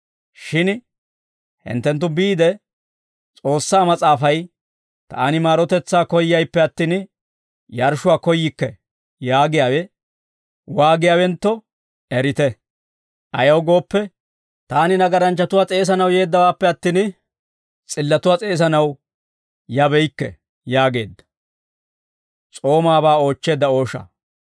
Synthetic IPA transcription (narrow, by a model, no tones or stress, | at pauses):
ʃɪn | hɪ̰nt̪ːɛnt̪̬ːʊbiːd̪ɛ | t͡sʼo̞ːsːaːmɐt͡sʼaːfɐj | t̪a̰ːnɪmaːɾɔt̪ɛt͡sːaːkɔjːɐjpːɛɐt̪ːiːn | jɐɾʃʊwaːkɔjːɪkːɛ | jaːɡɪjaːwɛ | waːɡɪjaːwɛnt̪ːɔ | ɛɾɪt̪ɛ | ʔɐjɐwɡo̞ːpːɛ | t̪aːnɪnɐɡɐɾɐnt͡ʃːɐt̪ʊwaːt͡sʼe̞ːs̬ɐnɐwje̞ːd̪ːɐwaːpːɛɐt̪ːiːn | t͡sʼɪlːɐt̪ʊwaːt͡sʼeːs̬ɐnɐw | jɐbɛjkːɛ̰ | jaːɡe̞ːd̪ːɐ̥ | t͡sʼo̞ːmaːbaːo̞ːt͡ʃːe̞ːd̪ːɐo̞ːʃɐ̰